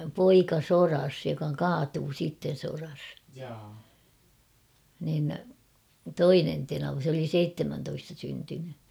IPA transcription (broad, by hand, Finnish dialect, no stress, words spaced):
poikɑ sorɑs jokɑ kɑːtuː siːtːen̞ sorɑs nin toinen tenɑʋɑ s oli seitːemæntoistɑ syntyny